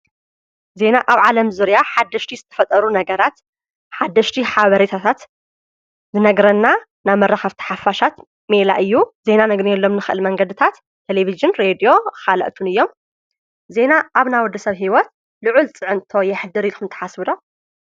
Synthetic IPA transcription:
ze̞naʔaβʕalɐmzɨɾjaħad̪ːɐʃt̪ʰizɨt̪ʰɐ̥fɐt̪ʼɐɾunɐɡɐɾat̪ | ħad̪ːɐʃt̪ʰiħaβɐɾet̪ʰat̪ʰat̪ | zɨnɐɡɾɐnːa | naβmɐrːaxɐβt̪ʰi̥ħafːaʃat̪ | mela̰ʔɨjːuze̞nanɐɡnɛlːomnɨxɨʔɨlmɐŋɡɐd̪ɨt̪ʰat̪ʰːelevizɨnɾed̪ijo̞kalɐ̰ʔt̪ʰunɨjːo̞m | ze̞naʔaβnawɔd̪ːɐsɐβɦiwɔt̪̚ | lɨʕult͡sʼɨʕɨnt̪ʰo̞jɛħɨd̪ɨɾilxɨnt̪ʰɐ̥ħasbɨd̪o

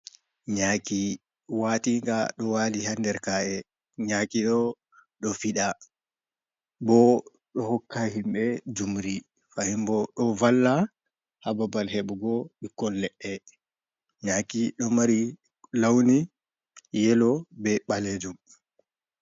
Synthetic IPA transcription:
ɲaːki | watiŋɡaɗɔwalihandɛɾkaɛ | ɲakiɗɔ | ɗɔfiɗa | bɔ | ɗɔhɔkːaɦimɓɛd͡ʒumɾi | fahimbɔɗɔvalːa | hababalhɛɓɡɔɓikːɔlːɛʔɛ | ɲakiɗɔmaɾi | lawni | jɛlɔbɛɓaled͡ʒum

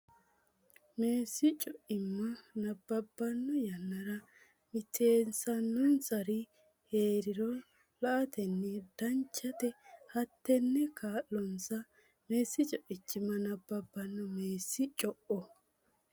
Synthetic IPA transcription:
me̞ːsːɪt͡ʃʼɔʔɪmːɐnɐbːɐbːɐnːɔjɐnːɐɾɐ | mɪt̪ʰeːnsɐnːɔnsɐɾɪ | heːɾɪɾɔ | lɐʔɐt̪ʰɛnːɛd̪̥ɐnt͡ʃːɐt̪ɛhɐt̪ːɛnːɛkʰaːlːɔnsɐ | meːsːɪt͡ʃʼɔʔɪt͡ʃːɪmːɐnɐbːɐbːɐnːɔme̞ːsːɪt͡ʃʼɔʔɔ

